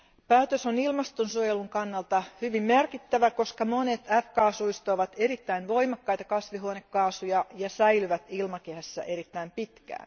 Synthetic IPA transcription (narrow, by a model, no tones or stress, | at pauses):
pæːt̪øsonilmɑst̪onsuojeluŋkɑnːɑlt̪ɑhyʋimmerkit̪ːæʋæko̞skɑmonet̪æfkɑːsuist̪oːʋɑt̪eɾit̪ːæinʋo̞imɑkːɑjt̪ɑkɑsʋiɦuonekːɑːsujɑjɑsæilyʋæt̪ilmɑkehæsːæ̰ʔeɾit̪ːæimpit̪kæ̰ːn